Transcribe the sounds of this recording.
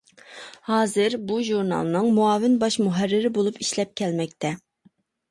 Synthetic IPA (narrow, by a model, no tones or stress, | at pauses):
hɑːzɨɾbuʒuɾnɑ̰lˠnɨŋmuɑːvɪnbɑʃmuɦærːɪɾɪbolˠupiʃlɛp̚kʲʰɛlmɛkʲt̪ʰɛ